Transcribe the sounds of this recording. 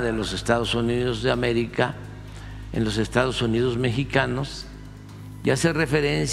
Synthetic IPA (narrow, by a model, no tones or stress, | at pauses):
ðe̞lo̞se̞st̪að̞o̞suniðo̞zðeame̞ɾika | ḛnlo̞s̬e̞st̪aðo̞suniðo̞zme̞xikano̞s | jasere̞fe̞ɾe̞ns